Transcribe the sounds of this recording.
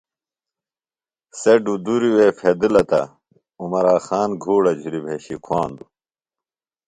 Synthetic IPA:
seɖud̪uɾiwefʰed̪ilɐt̪ɐ̰ | umɐɾaːxaːnɡʱuːɽɐd͡ʑʱuɾibʱeːɕikʰwaːnd̪u

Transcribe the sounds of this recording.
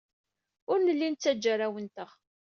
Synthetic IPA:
ʊɾnəlːint͡sːæd͡ʒːaɾawənt̪əʁ

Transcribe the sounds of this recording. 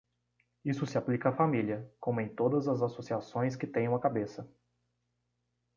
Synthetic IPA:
isʊsɪaplikɐafamiliɐkõmʊẽj̃t̪od̪ɐzɐzasosiasõj̃skɪt̪ẽj̃ɐ̃ɐkabesɐ

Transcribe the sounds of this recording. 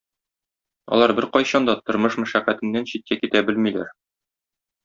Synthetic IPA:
ɒ̰lˠɑɾbɘɾqɒjɕɑnd̪ɑt̪ŏɾmɤʃmæʃæqæt̪ɘ̆nːænɕit̪̚kækit̪æbɘlmilæ̰ɾ

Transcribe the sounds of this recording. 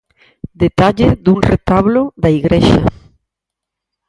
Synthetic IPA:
d̪et̪aʎeðuŋret̪aβloðaiɣɾeʃa̰

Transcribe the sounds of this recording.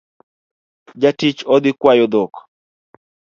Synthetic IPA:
d͡ʒatit͡ʃɔd̪ɪkwajɔd̪ok

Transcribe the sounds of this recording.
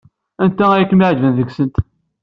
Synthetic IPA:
ænt̪ææjækːənmiʕd͡ʒvənðəɡsənt̪

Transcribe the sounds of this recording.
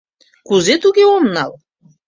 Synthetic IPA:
kuzet̪uɡeɔmnalˠ

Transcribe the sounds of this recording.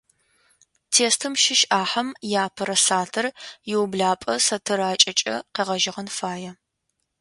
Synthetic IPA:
tʰeːstʰɨmʃɪʃʔaːħɐmjaːpʰɐɾɐsaːtʰɐrjɪwbɮaːpʼɐsɐtʰɨɾaːt͡ʃʼɐt͡ʃʼɐ̰qeːʁɐʒɪʁɐnfaːjɛ

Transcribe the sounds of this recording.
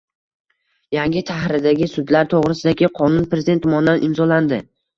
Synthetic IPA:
jaŋɡʲɪt̪ʰahɾɪd̪aɡʲɪsʊd̪laɾt̪ʰoʁɾɪsɪd̪akʲɪqʰɒnʊnpɾezɪd̪e̞nt̪mɒnd̪anʔɪmzɒland̪ɪ

